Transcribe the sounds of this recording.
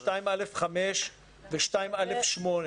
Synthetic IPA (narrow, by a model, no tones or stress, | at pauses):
taimalefχameʃ | veʃtaimalefʃmon